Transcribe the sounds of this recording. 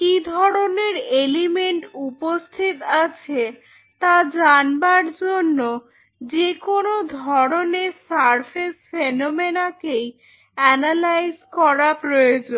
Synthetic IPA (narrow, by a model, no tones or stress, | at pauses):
kid̪ʱɔɾoneɾelimeɳʈupost̪ʰit̪at͡ɕʰe | t̪ad͡ʑanbaɾd͡ʑonːo | d͡ʑekonod̪ʱɔɾonesaɾfʰesfenomenakej | ɛnalajzkɔɾapɾojod͡ʑon